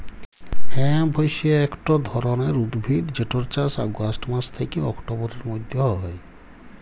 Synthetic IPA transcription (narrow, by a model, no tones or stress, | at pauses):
hɛ̃ãbʱɔjsieekʈɔd̪ʱɔɾɔneɾud̪bʱid̪d͡ʒeʈɔɾt͡ʃasa̰ɡasʈmast̪ʰekiɔkʈobɔɾɔɾmɔd̪ʱjɔɦɦɔj